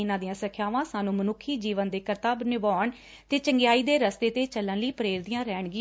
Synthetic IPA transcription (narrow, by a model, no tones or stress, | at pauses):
ɪnãːd̪ijãːsəkʰjaːʋãːsaːnũːmənʊkʰːiːd͡ʒiːʋənd̪eːkəɾt̪aːbnɪbɔːɳ | t̪eːt͡ʃəŋɡɪjaːiːd̪eːɾəst̪eːt̪eːt͡ʃəlːənləiːpəɾeːɾd̪ijãːɾɛːɳɡɪ